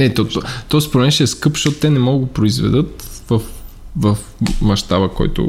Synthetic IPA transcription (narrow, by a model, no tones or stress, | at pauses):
nɛt̪ɔt̪t̪ɔspoɾɛmɛnʃɛːskɤpʃt̪ɔt̪ʊ̥t̪ɛnɛmɔɡɡopɾoizvɛ̰d̪ɤt̪vəfvəf | mɐʃt̪abəkɔ̰jt̪ʊ̰